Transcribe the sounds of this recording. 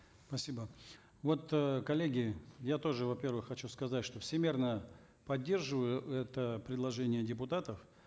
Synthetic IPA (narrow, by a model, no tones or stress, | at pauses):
spɐsʲibə | vo̞t̪kɐlʲeɡʲɪjat̪o̞ʐɨvɐpʲe̞rvɨxːɐt͡ɕuskɐzatʲʂt̪o̞fsʲɪmʲirnə | pɐdʲːe̞rʐɨvəjʊɛt̪əpɾʲɪd̪lˠɐʐɛnʲɪjədʲɪp̬ʊt̪at̪əf